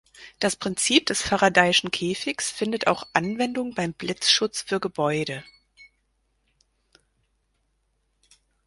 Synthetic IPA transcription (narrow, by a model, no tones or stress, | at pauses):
d̥aspʁ̥ɪnt͡siːp̚d̥ɛsfaʁadaɪɪʃn̩kʰeːfɪçsfɪndəta̰ʊxʔanvɛndʊŋəbaɪmblɪt͡sʃʊt͡sfyːɐɡəbɔʏdə